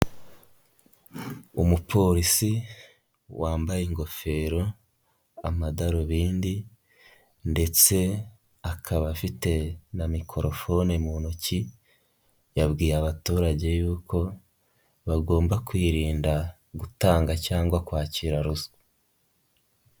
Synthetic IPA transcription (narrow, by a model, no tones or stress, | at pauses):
umupʰo̞ɾisi | wʔaːmbajeŋɡo̞fe̞ɾo̞ | a̰madaɾoβiːndi | nde̞t͡se̞ | akʰaβafite̞namikʰo̞ɾofo̞nemunoci | jabɡiːɾaβatuːɾaɟe̞juːkʰo̞ | βaɡo̞ːmbakwiːɾiːnda | ɡutaːŋɡacaːŋɡwakwaːciːɾaɾuz